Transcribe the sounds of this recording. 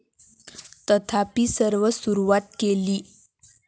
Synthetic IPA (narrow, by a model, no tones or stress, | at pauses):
t̪ət̪ʰapiːsəɾʋəsuɾuʋat̪keliː